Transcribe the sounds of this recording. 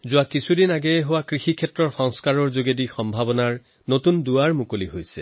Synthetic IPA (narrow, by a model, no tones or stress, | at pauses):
zʊakisʰudinaɡɛɛɦowakɹixikʰɛtɹɔɹxɔŋskaɹɔɹzoɡedixɔmbʱabɔnaɹ | notunduaɹmukoliɦojsɛ̰